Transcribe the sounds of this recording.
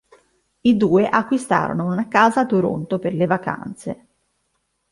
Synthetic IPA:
id̪uːeʔakːwist̪a̰ːɾo̰nounakaːzat̪uɾo̰nt̪operlevaka̰nt̪sḛ

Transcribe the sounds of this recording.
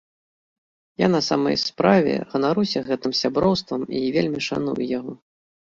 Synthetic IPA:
janɐsamɐ̰jspɾavʲɛ̰ɣɐnaɾuwsʲɐɣɛt̪ɨmsʲabɾɔwst̪vɐmivʲelʲmʲiʂanṵjjaɣɔ

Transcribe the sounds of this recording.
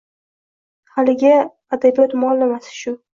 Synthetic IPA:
halɪɡʲɪ | ad̪abijɔt̪mʊalːɪmasɪ̥ʃʊ

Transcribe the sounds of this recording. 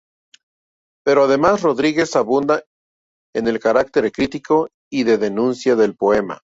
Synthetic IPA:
pe̞ɾo̞aðe̞masro̞ðɾiɣe̞saβund̪a | ene̞lkaɾak̚t̪e̞ɾkɾit̪iko̞ | iðe̞ðe̞nũnsjaðe̞lpo̞e̞ma̰

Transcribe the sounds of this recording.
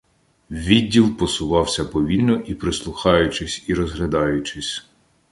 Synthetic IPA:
ʋʲidʲːilˠpɔsʊʋɑwsʲɐpɔʋʲilʲnɔʔipɾɪslˠʊxɑjʊt͡ʃɪsʲiɾɔzɦlʲɐd̪ɑjʊt͡ʃɪsʲ

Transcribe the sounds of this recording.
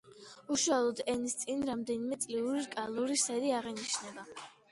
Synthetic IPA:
uʃualˠɔd̪ɛnist̪sʼinɾamd̪ɛnimɛt̪sʼliuɾiɾkʼalˠuɾisɛɾiaʁɛniʃnɛba

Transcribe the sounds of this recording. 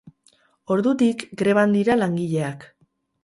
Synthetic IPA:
o̞ɾðut̪ikɡɾe̞β̞and̪iɾalaŋɡiʎe̞ak

